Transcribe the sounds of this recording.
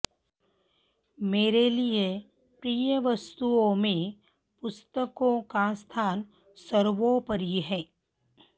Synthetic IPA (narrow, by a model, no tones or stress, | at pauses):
meːɾelie | pɾiːjəʋəst̪uõmẽ | pʊst̪əkõkast̪ʰaːn | səɾʋõpəɾiɦɛ̃ː